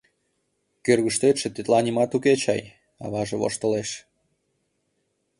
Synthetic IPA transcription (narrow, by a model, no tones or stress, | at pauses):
kørɣəʃt̪et̪ʃĕt̪et̪lɑnimɑt̪uket͡ɕɑj | ɑ̰βɑʒeβo̰ʃt̪ə̆leʃ